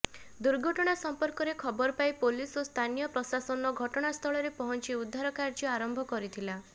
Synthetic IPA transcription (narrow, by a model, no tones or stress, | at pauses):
d̪uɾɡʱɔʈɔɽ̃asɔmpɔɾkɔɾekʰɔbɔɾɔpajpolisost̪ʰanijɔpɾɔsasɔnɔɡʱɔʈɔɽ̃ast̪ʰɔɭɔɾepɔɦɔnt͡ʃiud̪ʱːaɾɔkaɾd͡ʒɔaɾɔmbʱɔkɔɾit̪ʰila